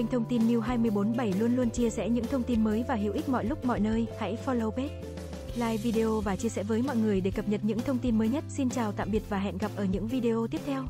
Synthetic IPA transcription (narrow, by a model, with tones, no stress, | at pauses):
a˧jŋ̟t̪ʰə˧wŋ͡mt̪i˧nmi˧wɦaː˧jmɨ˧əjɓo˨˦nɓə˧˩jlu˧ənlu˧ənt͡ɕi˧əsɛ̰˧˥ɲɨ̰˧˥ŋt̪ʰə˧wŋ͡mt̪i˧nməː˨˦jvaː˨˩ɦḭ˧˨wʔi˦˥k̟̚mɔ̰˧˨jlʊ˦˥k͡p̚mɔ̰˧˨jnəː˧jha̰˧˥jfɔ˧lo˧wpe˦˥t̚ | laː˧jvi˧ɗe˧ʔo˧vaː˨˩t͡ɕi˧əsɛ̰˧˥vəː˨˦jmɔ̰˧˨jŋɨ˨˩əjɗe˧˩kə˨˩p̚ɲə˨˩p̚ɲɨ̰˧˥ŋt̪ʰə˧wŋ͡mt̪i˧nməː˨˦jɲə˦˥t̚si˧nt͡ɕaː˨˩wt̪a̰ː˧˨mɓi˨˩ət̚vaː˨˩ɦɛ̰˧˨nɣa˨˩p̚ʔəː˧˩ɲɨ̰˧˥ŋvi˧ɗe˧ʔo˧t̪i˦˥əp̚t̪ʰɛ˧w